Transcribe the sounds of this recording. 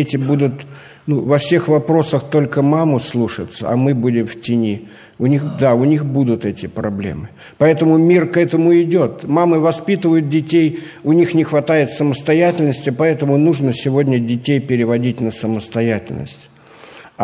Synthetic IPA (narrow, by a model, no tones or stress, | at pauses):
etʲɪbud̪ʊt̪ | nuvɐfsʲe̞xvɐpɾo̞səxt̪o̞lʲkəmamʊslˠuʂət̪sə̰ɐ̰mɨbudʲɪmftʲɪnʲi | ʊnʲixd̪aʊnʲixbud̪ʊt̪ɛtʲɪpɾɐblʲḛmɨ | pɐɛt̪əmʊmʲirkɛt̪əmʊɪdʲot̪maməvɐspʲit̪ɨvəjʊt̪̚dʲɪtʲej | ʊnʲixnʲɪxvɐt̪ajɪt̪səməst̪ɐjætʲɪlʲnəsʲtʲɪpɐɛt̪əmʊnuʐnəsʲɪvo̞dʲnʲədʲɪtʲejpʲɪɾʲɪvɐdʲitʲnəsəməst̪ɐjætʲɪ̰lʲnə̰sʲtʲ